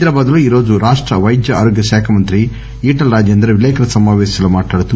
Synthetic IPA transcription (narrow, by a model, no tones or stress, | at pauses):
d̪ɾaːbaːd̪ɐluiːɾo̞ːd͡ʒuɾaːʂʈɾɐʋɐjd̪jɐaːɾoːɡjɐʃaːkʰɐmɐnt̪ɾi | iːʈɐlɾaːd͡ʒjend̪ɐɾeʋilɛjkʰɐɾɐsɐmaːʋeːsi̥sɐlumaːʈaːɽt̪ːu